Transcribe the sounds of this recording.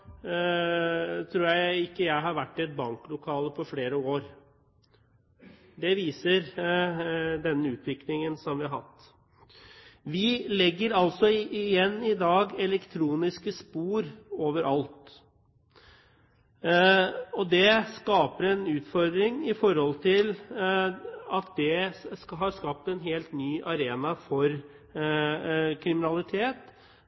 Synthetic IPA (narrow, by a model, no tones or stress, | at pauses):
t̪ʰɾuːɾjæɪɪkːəjæɪɦɑɾʋæʈːɪɛt̪̚bɑŋklʊkʰɑːləpʰɔfleːɾəoːɾ | d̪ɛʋiːsəɾ | d̪ɛnːəʉːt̪ʰʋɪklɪŋənsɔmʋɪɑɾɦɑ̰t̪ː | ʋɪlɛɡːəɾɑlsɔɪjɛnːɪd̪ɑːɡɛlɛkt̪ʰɾuːnɪskəspuːɾoːʋəɾʔɑlt̪ | ɔd̪ɛskɑːpəɾɛnʉːt̪fɔɾd̪ɾɪŋɪfɔɾhɔlt̪ʰɪl | ɑt̪̚d̪ɛɦɑɾskɑp̚t̪ɛnɦeːlt̪nyːʔɑɾeːnɑfɔɾ | kʰɾɪmɪnɑlɪt̪ʰeːt̪